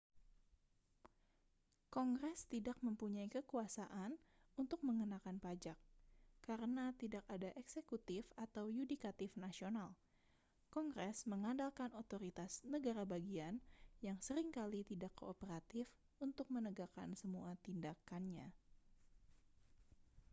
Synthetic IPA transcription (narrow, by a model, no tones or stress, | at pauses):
kɔŋɡɾɛst̪idak̚məmpuɲaikəkuasaʔan | unt̪ʊk̚məŋənakanpad͡ʒakːaɾənat̪idakadaʔɛksekut̪ɪfat̪awjunikat̪ɪfnasional | kɔŋɡɾɛsməŋandalkanot̪oɾit̪asnəɡaɾabaɡianjaŋsəɾiŋkalit̪idakːoːpəɾat̪ɪf | unt̪ʊk̚mənəɡaka̰nsəmuat̪indakanɲa